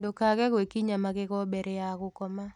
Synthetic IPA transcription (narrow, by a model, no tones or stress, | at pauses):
dokaɡɛkwekiɲamaɡɪkɔbɛɾɛakʊkɔma